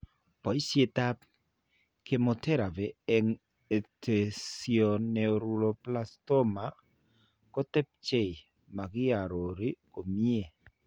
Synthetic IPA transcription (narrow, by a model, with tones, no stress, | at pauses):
pɔ˨jsje˦ta˦p̚ | ke˨mo˨te˦ɾa˨vɛː˨ŋ | e˨tʰe˨siɔ˨nːɛ˨ɾu˨lo˨pla˦stɔ˦ma˨ | kɔ˦tɛ˦p̚t͡ʃe˦˨ | ma˨kɪ˦a˨ɾo˨ɾi˦ko˨mi˦e˨